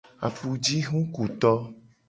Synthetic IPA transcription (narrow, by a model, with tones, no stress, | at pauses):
a̰˨pu˨d͡ʒi˦ɦũ˦ku˨t̪ɔ˦